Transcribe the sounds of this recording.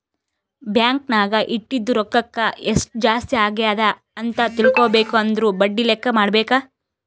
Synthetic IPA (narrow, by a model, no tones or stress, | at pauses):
bjaːŋknaːɡɐʔiʈːid̪ːuɾɔkːɐkːɐesʈud͡ʒaːst̪iaːɡijaːd̪ɐ | ɐnt̪ɐt̪iɭkoːbeːkuɐnd̪ɐɾuːbɐɖːilɛkːɐmaːɖbɛːka